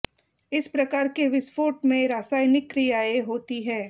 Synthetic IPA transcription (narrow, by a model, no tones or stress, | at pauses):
ɪspɾɐkaːɾkeʋɪsfoːʈmẽɾaːsaːjnɪkːɾɪjaːeɦoːt̪iɦɛː